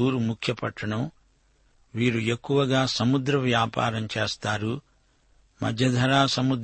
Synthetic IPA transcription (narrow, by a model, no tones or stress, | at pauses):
uːɾumukʰjɐpɐʈːɐɳɐm | ʋiːɾue̞kːuʋɐɡaːsɐmud̪ɾɐʋjaːpa̰ːɾɐmt͡ʃeːst̪aːɾu | mɐ̰d̪ʱjɐd̪ʱɐɾaːsɐmud̪